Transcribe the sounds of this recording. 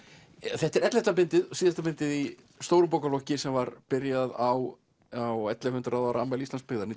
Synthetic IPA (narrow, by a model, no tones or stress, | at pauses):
θɛht̪ːɛɾɛt̪lɛht̪apɪnt̪ɪðsiːðɛst̪apɪnt̪ɪði | st̪owɾʏmpoːwkalɔhcɪsɛmvaɾpɪɾjaðaw | awɛt̪lɛhʏnt̪ɾaðaɾamːɛlist̪anspɪɣðaɾnɪ